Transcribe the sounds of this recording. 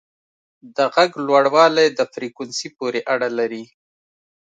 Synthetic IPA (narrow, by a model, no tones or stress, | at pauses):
d̪əɣaɡlwaɽwɑlajd̪əfɾikunsipoɾeʔaɽalaɾi